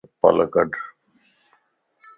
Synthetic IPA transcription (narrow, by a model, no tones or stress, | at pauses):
pə̰ləkəɖ